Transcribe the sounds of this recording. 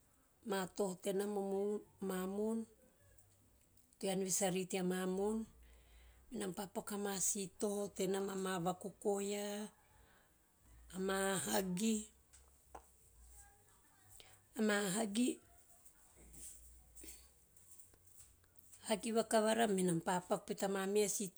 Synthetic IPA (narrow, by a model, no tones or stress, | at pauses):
mato̞hote̞namomumamon | tuanβisaɾitiamamon | minampapakamasito̞hote̞namamaβakoko̞ja | maɦaɡi | amaɦaɡi | haɡiβakaβaɾaminampapak̚petamamiasit